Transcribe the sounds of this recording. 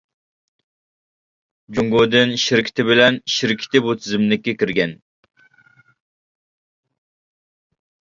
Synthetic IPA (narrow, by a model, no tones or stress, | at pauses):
d͡ʒuŋɡod̪ɨnʃɪɾkʲʰi̥t̪ɪbɪlɛnʃɪɾkʲʰi̥t̪ɪbut̪ʰɪzɪmlɪkʲːɛkʲiɾɡʲɛn